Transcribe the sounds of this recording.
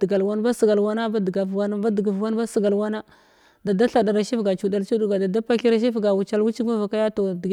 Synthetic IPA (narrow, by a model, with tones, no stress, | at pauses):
ɡa˨lwa˦n˦ba˦sə˨ɡa˨lwa˦na˦ba˦dɡa˨vwa˦n˦ba˦dɡa˨vwa˦n˦ba˦sə˨ɡa˨lwa˦na˦ | da˨da˦ɬa˨da˨ɾa˨ʃi˦fɡa˨t͡ʃu˨da˨lt͡ʃu˦du˦ɡa˨da˨da˦pa˦ki˦ɾa˦ʃ̬i˦fɡa˨wu˨t͡ʃa˦lwu˦t͡ʃi˦ma˦va˨ka˦ja˦to˨di˨ɡ